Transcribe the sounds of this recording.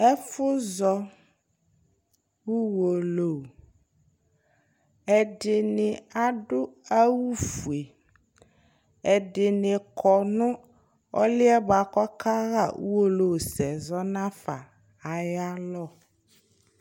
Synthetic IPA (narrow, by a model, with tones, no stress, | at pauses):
ɛ˦fʊ˦zɔ˨ | wu˦wo˨lo˨ | ɛ˨ɖɪ˨nɪ̃˨a˨ɖʊ˦a˦wu˦fu˨e˨ | ɛ˨ɖɪ˨nɪ˨kʰɔ˨nʊ̃˦ | ɔ̰˦lɪ˦ɛ˦ba˨kɔ˦ka˦ɣa˦˨wṵ˦wo˦lo˨wsɛ˨zɔ˦nã˦fa̰˨ | a˨ja˦lɔ˦˨